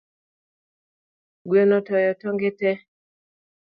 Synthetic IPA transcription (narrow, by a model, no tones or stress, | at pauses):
ɡwenɔtɔjɔtɔŋɡetɛ